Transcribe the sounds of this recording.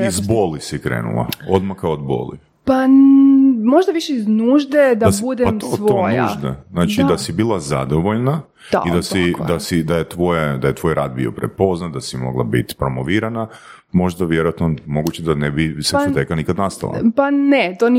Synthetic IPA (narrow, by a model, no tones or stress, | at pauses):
izbolisikɾḛːnṵlˠa̰o̞d̪makaod̪bo̰lḭ | pa | mo̞ʒd̪aʋiʃeiznuːʒd̪ed̪asbud̪emtʋ̪oojnːʒd̪eznaːt͡ʃid̪asibiːlˠazad̪oʋoʎna | a̰id̪asid̪asid̪ajet̪ʋo̞jed̪ajet̪ʋo̞jɾaːd̪̚bḭo̞̰pɾḛpo̞znat̪̚d̪asimo̞̰ɡlˠa̰bḭt̪pɾo̞moʋiːɾana | mo̞ʒd̪aʋjeɾoat̪nomo̞ɡut͡ɕed̪anebiset̪ekanikad̪nast̪a̰lˠa̰panet̪on